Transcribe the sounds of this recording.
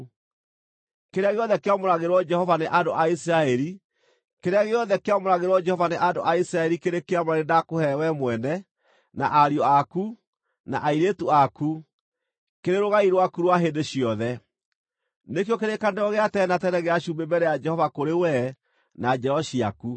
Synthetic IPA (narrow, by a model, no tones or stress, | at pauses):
keɾeaɣeɔðɛkeamoɾaɣeɾwɔd͡ʒɛhɔvaneʔadoʔaisiɾaɛɾi | keɾeaɣeɔðɛkeamoɾaɣeɾwɔd͡ʒɛhɔvaneʔando̰ʔaisɾaɛɾikeɾekeamaɾenakohɛwɛmwɛnɛ | na̰ʔaɾiɔaku | na̰ʔaiɾetuaku | keɾeɾoɣaiɾwakuɾwaɦendeɕiɔðɛ | nekiɔkeɾekandɔɣeatɛnatɛnɛɣeaɕumbebɛɾɛjad͡ʒɛhɔvakoɾewɛ | nad͡ʒɛɾɔɕia̰ku